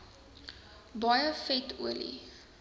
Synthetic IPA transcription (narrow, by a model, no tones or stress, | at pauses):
bɑjəfɛtʰṵəlḭ